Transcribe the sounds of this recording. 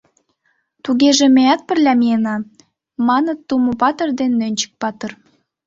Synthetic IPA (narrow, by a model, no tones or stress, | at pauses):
t̪uɣeʒemejæt̪̚pə̆rlʲæmʲienɑ | mɑnɤ̆t̪ːumupɑt̪ɤ̆rd̪enːønʲt͡ɕə̥k̚pɑt̪ɤ̆r